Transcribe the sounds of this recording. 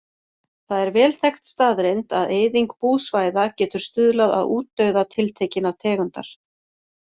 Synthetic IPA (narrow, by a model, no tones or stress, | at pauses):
θaðɛɾvɛːlθɛxt̪st̪aːðɾejnt̪aðeːjðiŋkpuːsvaːjðacɛːt̪ʏɾ̥st̪ʏðlaða̰ðuːt̪ːœɥðat̪ʰɪlt̪ʰejcɪnaɾ̥t̪ʰɛːɣʏnt̪a̰ɾ̥